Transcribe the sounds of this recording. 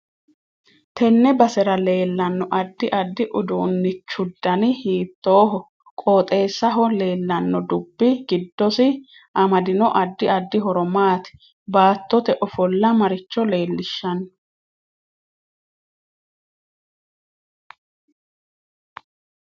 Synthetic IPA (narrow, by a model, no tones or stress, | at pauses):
t̪ʰɛnːɛbɐsɛɾɐle̞ːlːɐnːɔʔɐd̪ːɪʔɐd̪ːɪʔʊd̪uːnːɪt͡ʃːʊd̪ːɐnɪhiːt̪ːoːɦɔ | kʼoːt̪ʼe̞ːsːɐɦɔle̞ːlːɐnːɔd̪ʊbːɪɡɪd̪ːɔsɪ | ʔɐmɐd̪ɪnɔʔɐd̪ːɪɐd̪ːɪɦɔɾɔmaːt̪ɪ̥ | baːt̪ːɔt̪ɛʔɔfɔlːɐmɐɾɪt͡ʃːɔle̞ːlːɪʃːɐn